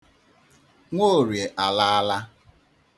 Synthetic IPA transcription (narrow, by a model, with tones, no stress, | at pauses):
ŋʷo˦˨ɾje˨ʔa˨la˦a˦la˦